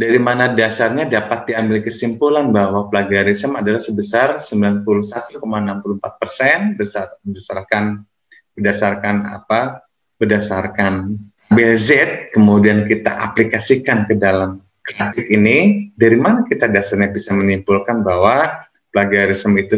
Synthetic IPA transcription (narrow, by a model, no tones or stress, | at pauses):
daɾimanadasarɲadapat̪̚diambɪlkəsimpulanbahwapəlaɡaɾisəmadalahsəbəsarsəmbilanpulʊhsat̪ukomaənampuluhəmpat̪̚pərsɛnbəsamədasarkan | bədasarkana̰pa | bədasarkan | bɛlzɛt̪̚kəmudiankit̪a̰ʔa̰plikasikankədalam | kɾatɪkinidaɾimanakit̪adasarɲabisamənimpulkanbaɦwa | pəlaɡaɾisəmit̪u